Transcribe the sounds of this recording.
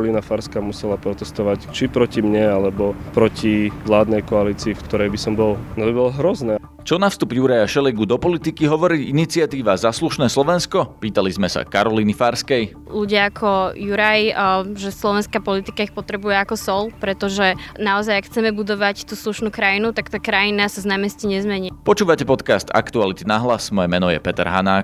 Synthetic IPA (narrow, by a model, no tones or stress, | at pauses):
liːnafaɾskaːmusɛlapɾɔt̪ɛst̪ɔʋact͡ʃipɾɔcimɲɛalɛbɔpɾɔciʋlaːd̪nɛjkɔaliːt͡siːfkt̪ɔɾɛjbisɔmbɔlnɔbibɔlɦɾɔznɛ | t͡ʃɔnafst̪ubjuɾajaʃɛlɛɡud̪ɔpɔlit̪ikiɦɔʋɔɾiːʔinit͡sɪat̪iːʋazasluʃnɛːslɔʋɛnskɔpiːt̪alizmɛsa̰kaɾɔliːnifaɾskɛj | luɟɪaːkʰɔjuɾajʒɛslɔʋɛnskaːpɔlit̪ikaixpɔt̪ɾɛbujɛakɔsɔlpɾɛt̪ɔʒɛnaɔzajakxt͡sɛmɛbud̪ɔʋact̪uːsluʃnuːkɾajinut̪akt̪aːkɾajinasaznaːmɛsciɲɛzmɛɲipɔt͡ʃuːʋacɛpɔt̪kast̪a̰kt̪ualit̪inaɦlasmɔjɛmɛnɔjɛ̰pɛt̪ɛɾɦanaːk